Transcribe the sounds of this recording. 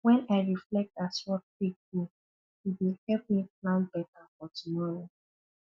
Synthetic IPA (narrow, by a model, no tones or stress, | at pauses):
wɛ̃naɪɹiflɛk̚taswɔt̚kwik̚di | jiwilhɛlp̚miplãʊ̃nbɛtafɔtumɔɹo